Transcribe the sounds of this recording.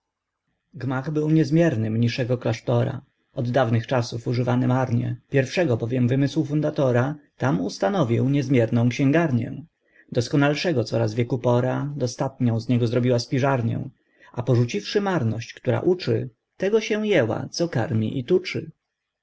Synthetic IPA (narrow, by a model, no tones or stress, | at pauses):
ɡmaɣbɘwɲɛzmʲjɛɾnɘmɲiʂɛɡɔklaʂt̪ɔɾa̰ | ʔɔd̪ːavnɘxt͡ʂasufuʐɘvanɘmaɾɲɛ̰pʲjɛɾfʂɛɡɔbɔvʲjɛmvɘmɘswufund̪at̪ɔɾat̪amust̪anɔvʲiwɲɛzmʲjɛɾnɔ̃w̃kɕɛ̃ŋɡaɾɲɛ̰̃ | d̪ɔskɔnalʂɛɡɔt̪sɔɾazvʲjɛkupɔɾad̪ɔst̪at̪ɲɔ̃w̃zɲɛɡɔzɾɔbʲiwaspʲiʐaɾɲɛ̰w̃ | apɔʐut͡ɕifʂɘmaɾnɔɕt͡ɕkt̪uɾa̰ʔut͡ʂɘ̰ | t̪ɛɡɔɕɛw̃jɛwa̰t̪sɔka̰ɾmʲḭʔit̪ut͡ʂɘ̰